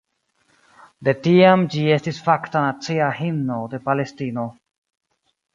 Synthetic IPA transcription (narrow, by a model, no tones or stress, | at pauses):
d̪etiamd͡ʒiestisfaktanat͡siahimno̞de̞palestino